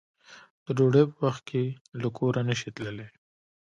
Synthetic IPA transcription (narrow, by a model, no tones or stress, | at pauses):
d̪̥əɖoɖepəwaxt̪̚kʰeləkʰoɾanəʃit̪ləle